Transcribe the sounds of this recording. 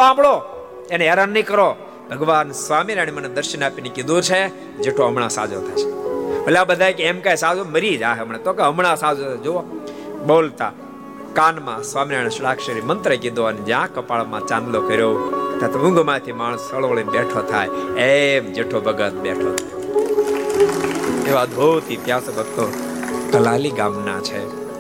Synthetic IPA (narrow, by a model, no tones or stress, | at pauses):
ãːmɭo | eneeɾanːəĩkəɾo | bʱəɡʋaːnsʋamiɾaɽ̃iməned̪əɾʃənaːpinikid̪uɾt͡ʃʰe | d͡ʒeʈʰoɦəmɽãsa̰d͡ʒo̰t̪ʰa̰jt͡ʃʰe̥bəlabəd̪ʱaːjkeemkajsad͡ʒoməɾid͡ʒaɦeəmɳ̃ẽt̪okeəmɽ̃ãsad͡ʒod͡ʒooɓoːlt̪a̰ | kanmãsʋamɾaɳ̃ʃɽakʃəɾimənt̪ɾəkid̪oəned͡ʒjãkəpaɭmãt͡ʃãnd̪lokʰəɾot̪at̪ʰʊ̃ŋɡʱmãjt̪ʰimaɳ̃əsəɭʋəɭibɛʈʰot̪ʰa̰jemd͡ʒeʈʰobʱəɡət̪̚bḛʈʰo | eʋad̪ʱoʋt̪ʰipjasobəkt̪o | ɡʱəlaliɡamna̰t͡ʃʰḛ